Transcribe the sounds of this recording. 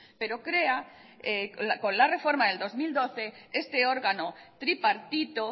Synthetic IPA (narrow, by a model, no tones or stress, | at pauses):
peɾokɾeaekõ̞nlare̞fo̞ɾmaðe̞ld̪o̞zmild̪o̞θe̞est̪eo̞ɾɣanot̪ɾipaɾt̪it̪o